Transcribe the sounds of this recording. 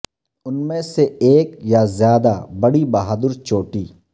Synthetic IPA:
ʊnmẽseeːkjazjaːd̪abɐɽibɐɦaːd̪ʊɾt͡ʃoːʈiː

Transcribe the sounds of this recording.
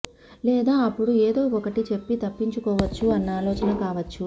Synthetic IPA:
lɛːd̪aːɐpːuɽueːd̪o̞ːɔkɐʈit͡ʃe̞pːit̪ɐpːiɲt͡ʃukɔːʋɐt͡ʃːuɐnːaːlɔːt͡ʃɐnɐkaːʋɐt͡ʃːu

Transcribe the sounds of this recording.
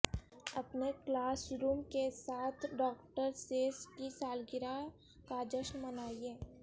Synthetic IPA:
ɐpneklaːsɾuːmkesaːt̪ʰɖɔːkʈəɾseːskisaːlɡɪɾa | kad͡ʒəʃnmənaːieː

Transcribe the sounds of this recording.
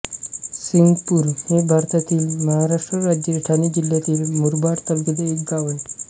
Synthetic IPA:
siŋɡpuɾhebʱaɾt̪at̪iːlməɦaɾaʂʈɾəɾad͡ʑəɾʈʰanid͡ʑiljat̪iːlmuɾbaɾt̪əbkəd̪əek̚ɡaʋəj

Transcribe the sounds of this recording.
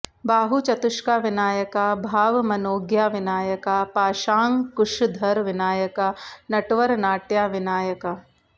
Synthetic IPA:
baːɦut͡ʃɐt̪ʊʃkaːʋɪnaːjɐkabʱaːʋmɐnoːɡjaːʋɪnaːjɐkaːpaːʃaːŋkʊʃd̪ʱɐɾʋɪnaːjɐkanɐʈʋɐɾnaːʈjaːʋɪnaːjɐka

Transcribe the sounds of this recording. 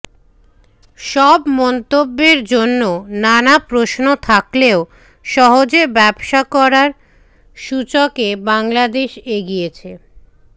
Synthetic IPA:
ʃɔbmɔnt̪obːeɾd͡ʑonːonanapɾoʃnot̪ʰakleo | ʃɔɦod͡ʑebɛbʃakɔɾaɾ | ʃut͡ɕokebaŋlad̪eʃeɡijet͡ɕʰe

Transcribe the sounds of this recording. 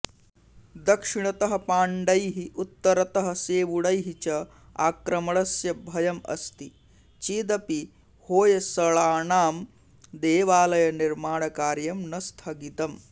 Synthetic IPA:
d̪ɐkʂiɳɐt̪ɐɦɐ̆paːɳɖɐjɦiʔut̪ːɐɾɐt̪ɐɦɐseːʋuɽɐjɦit͡ʃɐ | a̰ːkɾɐmɐɭɐsjɐbʱɐjɐmɐ̰st̪i | t͡ʃiːd̪ɐpi | hoːjɐsɐɭaːɳaːm | d̪eːʋaːlɐjɐniɾmaːɳ̃ɐkaːɾjɐmnɐst̪ʰɐɡit̪ɐm

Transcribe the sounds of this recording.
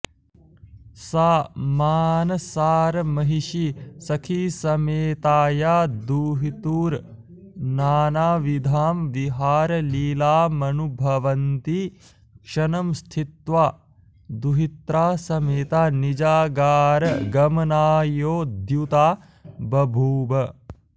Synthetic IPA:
saːmaːnɐsaːɾɐmɐɦiʃisɐkʰisɐmeːt̪aːjaːd̪uːɦit̪uːɾ | naːnaːʋid̪ʱaːmʋiɦaːɾɐliːlaːmɐnubʱɐʋɐnt̪i | kʂɐnɐmst̪ʰit̪ʋaː | d̪uɦit̪ɾaːsɐmeːt̪aːnid͡ʒaːɡaːɾɐɡɐmɐnaːjoːd̪jut̪aː | bɐbʱuːbɐ

